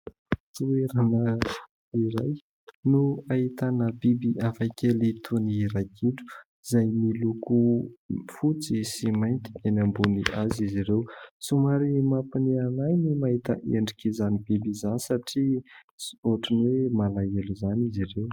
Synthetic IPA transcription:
t̪ueɾanə | iɾaj | nuait̪anəbibiʔafajkʲelit̪ʰuniɾajkʰiʈ͡ʂu̥ | z̥ajmiluku | fut͡sisimajnt̪i̥enambuniazizirewsumaɾimapinianajnimaɦit̪ə̰ʔeɳɖ͡ʐikizanibibizanisaʈ͡ʂi | oʈ͡ʂinwemalaeluzanizirew

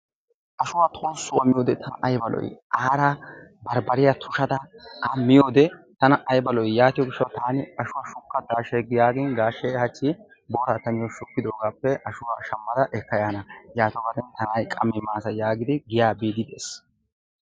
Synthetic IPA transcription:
ʔɐʃʊwaːt̪ʼoːsːʊɐmːɪjoːd̪ɛt̪ʰɐnɐʔɐjbɐlɔ̰jʔaːɾɐbɐɾbɐɾɪjat̪ʰʊʃɐd̪ɐɐmɪjoːd̪ɛt̪ɐnɐʔɐjbɐlɔjjaːt̪ɪjɔɡɪʃːɐwt̪aːnɪɐʃʊwaːʃʊkːɐd̪aːʃeɡɪjaːɡɪnɡaːʃɛhɐt͡ʃːi | boːɾat̪ɐnɪjɔʃʊkːɪd̪o̞ːɡaːpːɛʔɐʃʊwaːʃɐmːɐd̪ɐʔɛkːɐjaːnɐjaːt̪ɔɡɐd̪ɛnt̪ɐnajkʼɐmːɪmaːsɐjaːɡɪd̪ɪɡɪjaːbiːd̪ɪd̪ḛːs

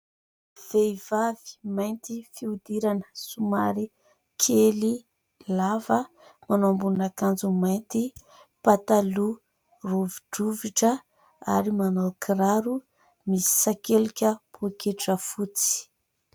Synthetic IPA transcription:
v̥ejvavi̥majnt̪ifiud̪iɾanəsumaɾi | kʰeli | lavə | manambunakand͡zumajnt̪i | pat̪alu | ruviɖ͡ʐuviʈ͡ʂə | a̰ɾimanokʰɾaɾu | misi̥sakelikʲəpʰokeʈ͡ʂəfut͡si̥

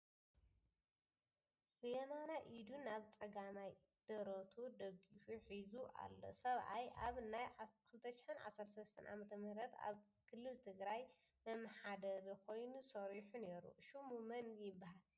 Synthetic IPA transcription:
bɨjɛmanaʔid̪unaβt͡sʼɐɡamaj | d̪̥ɐɾot̪ʰud̪ɐɡifuħizuʔa̰lːo̞̰sɐβʔa̰jʔaβnajkʰɨlɨt̪ʰɐʃɪ̥ħɨnʕa̰sɐɾt̪sɐlɐst̪ʰɐnʔa̰mɐt̪ʰɐmɨhɾɐt̪a̰β | kʰɨlːɨlt̪ʰɨɡɾaj | mɐmɐħad̪ɐɾikʰo̞jnusɐɾiħuneɾṵʃumumɐnɡjɪbːahal

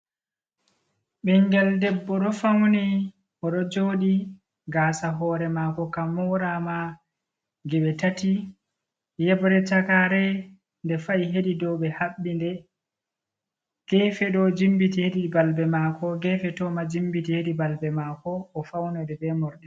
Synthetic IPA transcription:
ɓɛŋɡɛldɛbːɔɗɔfawnɛ | ʔɔɗɔd͡ʒoːɗi | ɡaːsaɦɔːɾɛmakɔkamɔɾama | ɡɛɓɛtati | jɛbɔɾɛt͡ʃakaɾɛ | ndɛfajɦeɗidɔɓɛhaɓːindɛ | ɡ̥ɛːfɛɗɔd͡ʒimbitiheɗibalbɛmakɔɡɛːfɛtɔmad͡ʒimbitiheɗibalbɛmakɔːfawnɛdɛdɛmɔɾɗɛ

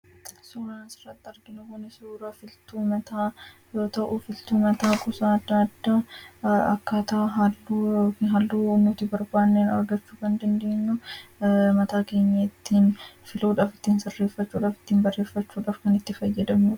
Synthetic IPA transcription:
suːɾɐnsɪrːɐt̪ːɪɐɾɡɪnʊkʊnɛsuːɾɐfɪlt̪uːmɐt̪aː | joːt̪ɐʔʊfɪlt̪uːmɐt̪aːkʼʊsaːɐd̪ːaɐd̪ːaːɐkːɐt̪ɐʔɐɦɐlːuɦɐlːuːnːʊːt̪ɪbɐɾbaːnːeːnɐ̰ɾɡɐt͡ʃːuːkɐnd̪ɐnd̪eːɲːʊ | mɐt̪aːke̞ːɲːɐɪt̪ːiːnfɪluːᶑaːfɪ̥t̪ːiːnsɪrːe̞ːfɐt͡ʃːuːᶑaːfɪ̥t̪ːiːnbɐrːe̞ːfːɐt͡ʃːuːᶑaːfkɐnɪt̪ːɪfɐjːɐd̪ɐmuᶑ

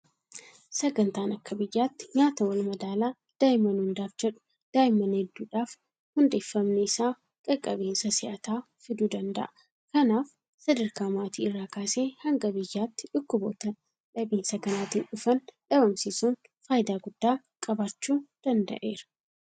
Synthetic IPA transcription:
sɐɡɐnt̪aːnɐkːɐbɪjːaːt̪ːɪ̥ɲaːt̪ɐwɐlmɐd̪aːlaː | d̪̥aːjɪmɐnhʊnd̪aːfd͡ʒɛᶑʊ̥ | d̪̥aːjɪmɐnhɛd̪ːuːᶑaːf | hʊnd̪eːfːɐmneɪsaː | kʼɐkʼːɐbeːnsɐsɪʔɐt̪aː | fɪd̪uːd̪ɐnd̪ɐ̰ʔɐ | kɐnaːf | sɐd̪ɐɾkaːmaːt̪iːɪrːaːkaːseːhɐŋɡɐbɪjːaːt̪ːɪᶑʊkːʊboːt̪ɐ | ᶑɐbiːnsɐkɐnaːt̪iːnʔʊfɐnᶑɐbɐmsisuːn | faːjd̪aːɡʊd̪̥ːaː | kʼɐbaːt͡ʃːuːd̪̥ɐnd̪ɐ̰ʔe̞ːɾɐ̥

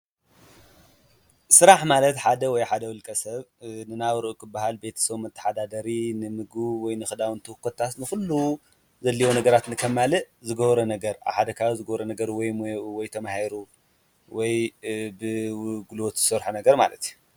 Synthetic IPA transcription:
sɨɾaħmalɐt̪ħad̪ɐwɔjħad̪ɐwɨlkʼɐsɐβnɨnawɾɨʔukʰɨbːaɦalbe̞t̪ʰɐ̥sɐβmɐt̪ʰːɐ̥ħad̪ad̪ɐɾinɨmɨɡɨβwɔjnɨxɨd̪awnt̪ʰɐhɨkʰːɐt̪ʰːat̪nɨxulːu | zɐlːiwonɐɡɐɾat̪nɨkʰɐmalɨʔ | zɨɡɐβɾɐnɐɡɐɾa̰βħad̪ɐkʰazɨɡɐβɾɐnɐɡɐɾwɔjwɔjt̪ʰɐmahiɾu | wɔjbɨɡulwot̪zɨsɐɾħunɐɡɐɾma̰lɐt̪ju

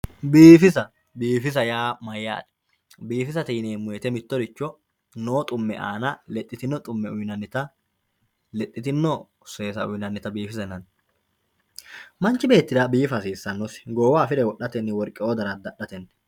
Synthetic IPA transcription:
biːfɪsɐ | biːfɪs̬ɐjaːmɐjːa̰ːd̪ | biːfɪsɐt̪iːneːmʊjɛt̪ɛmɪt̪ːɔd̪ɪt͡ʃːɔ | noːt̪ʼʊmːɛ̰ʔa̰ːnɐlɛt̪ʼːɪt̪ɪnːɔt̪ʼʊmːɛʊjnɐnːɪt̪ɐ | lɛt̪ʼːɪt̪ɪnːɔ | seːsɐʊjnɐnːɪt̪ɐbiːfɪsɛnːɐn | mɐnt͡ʃːɪbe̞ːt̪ːɪd̪abiːfɐsiːsːɐnːɔsɪ̥ɡoːwaːfɪd̪ɛwɔɗːɐt̪ɛnːɪwɔɾkʼːɪod̪ɐɾɐd̪ɐɗːɐt̪ɛnː

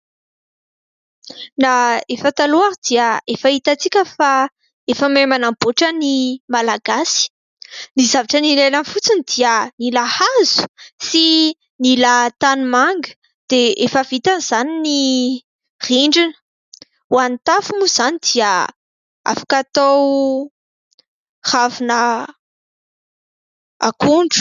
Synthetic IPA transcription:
naefət̪aluaɾid̪iəefait̪at͡sikʲəfa | efəmemanamboʈ͡ʂənimalaɡasi̥ | nizavaʈ͡ʂənilajlənfut͡sinid̪̥iənilahazu̥si | nilat̪animaŋɡə̥ | d̪̥eʔefəvit̪anz̥anini | riɳɖ͡ʐinə̥ | wanit̪afumuz̥anid̪̥iə | a̰fḁkat̪ow | havinə | a̰kuɳɖ͡ʐu̥

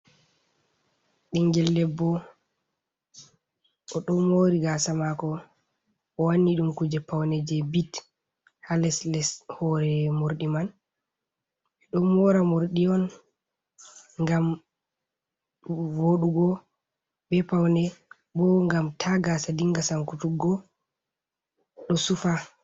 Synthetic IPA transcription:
ɗiŋɡɛlːɛbːɔ | ɔɗɔmoɾiɡasamakɔ | ɔwanːiɗumkud͡ʒɛpawnɛd͡ʒɛbit | halɛslɛshɔɾɛmoɾɗiman | ɛɗɔmɔɾamoɾɗiɔn | ŋɡam | woɗuɡɔ | bɛpawnɛ | bɔŋɡamtʰaɡasadiŋɡasaŋkutuɡɔ | ɗɔsufa

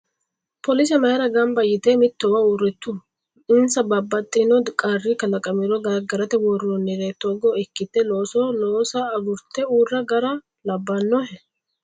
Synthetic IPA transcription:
pɔlɪs̬ɛmɐhɛɾɐɡɐmbɐjɪt̪emɪt̪ːɔwɐuːrɛt̪ːʊ | ɪnsɐbɐbːɐt̪ʼːɪnɔkʼarːɪkɐlɐkʼːɐmɪɾɔɡɐɡɐɾɐt̪ɛwɔrɔnːɪɾet̪ːɔɡɔɛkːɪt̪ːɛlo̞ːsoloːsɐːɡʊɾt̪ːɛuːrːɐɡɐɾɐ | lɐbːɐnːɔhɛ

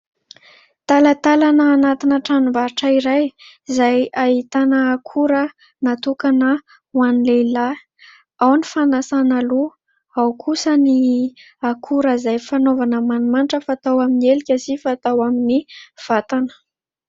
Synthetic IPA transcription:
t̪alət̪alanəːnat̪inəʈ͡ʂanivaɾʈ͡ʂəiɾaj | zajait̪anəːkʰuɾə | nat̪ukanə | wanilela | awnifanasanalu | awkʰusəni | akʰuɾəzajfanovanəmanumanʈ͡ʂəfat̪awaminielikʲəsifat̪awaminiv̥at̪anə̥

